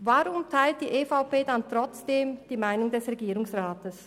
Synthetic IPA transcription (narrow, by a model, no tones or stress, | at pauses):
vaʁʊmtʰaɪlt̚d̥iːʔeːfaʊpeːdantʁ̥ɔt͡sd̥eːmd̥iːmaɪnʊŋdɛsʁeɡiːʁʊŋsʁaːtəs